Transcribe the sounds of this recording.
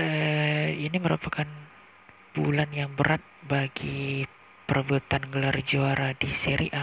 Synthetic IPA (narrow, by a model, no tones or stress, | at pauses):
əiniməɾupakan | b̥ulanjaŋbəɾat̪̚baɡi | pərbut̪anɡəlard͡ʒuaɾadisiɾḭʔa